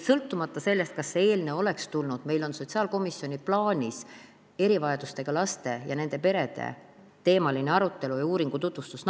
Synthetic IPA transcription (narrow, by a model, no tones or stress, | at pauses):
sɤlt̪ːˑumɑt̪ːˑɑse̞lʲːe̞st̪̚kɑsːee̞ːlne̞o̞le̞kst̪ulnud̪̥me̞jlo̞nso̞t̪ʲsiɑːlko̞misjo̞nʲiplɑːnʲis | e̞ɾivɑjɑd̪ust̪e̞ɡ̥ɑlɑst̪e̞jɑne̞nd̪e̞pe̞ɾe̞d̪̥e̞̰ | t̪e̞ːmɑlineɑɾut̪ːe̞lujuːɾiŋɡ̥ut̪ut̪ːvust̪usn